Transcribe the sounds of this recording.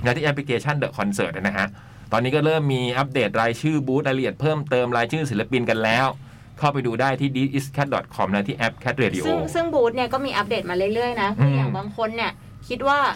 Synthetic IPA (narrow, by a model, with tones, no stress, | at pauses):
nɛː˦˥wt̪ʰiː˥˩ɛ˦˥pʰli˧kʰeː˧t͡ɕʰa˥˩ndɤ˨˩kʰɔ˧nsɤː˨˩t̪ʔa˧˩na˦˥kʰa˦˥ʔ | t̪ɔː˧niː˦˥kɔː˥˩ɾɤː˥˩mːiː˧ʔa˦˥p̚deː˨˩t̪̚ɾaː˧jt͡ɕʰɯː˥˩buː˦˥laː˧jla˧ʔi˨˩ət̪̚pʰɤː˥˩mt̪ɤː˧mɾaː˧jt͡ɕʰɯː˥˩si˩˦la˧pi˧nka˧nlɛː˦˥w | kʰa˥˩wpa˧jduː˧daː˥˩jt̪ʰiː˥˩di˦˥ʔi˦˥skʰɛ˦˥t̪̚dɔ̰˨˩t̪̚kʰɔ˧mnɛ˧˦˥wt̪ʰiː˥˩ʔɛ˦˥p̚kʰɛ˦˥t̪̚ɾeː˧di˧ʔsɯoː˥˧˩ŋsɯ˥˩ŋbuː˦˥t̪̚ni˥ɐkɔː˥˩miː˧ʔa˦˥p̚deː˨˩t̪̚maː˧ɾɯ˥˩jɾɯ˥˩əjna˦˥kʔʰjaː˨˩ŋbaː˧ŋkʰo˧nːi˥˩ɐ | kʰi˦˥t̪̚waː˥˩